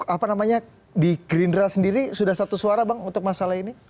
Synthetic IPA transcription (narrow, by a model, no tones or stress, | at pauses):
apanamaɲa | diɡɾindɾasəndiɾisudahsat̪usuaɾabaŋunt̪ʊk̚masalaɦini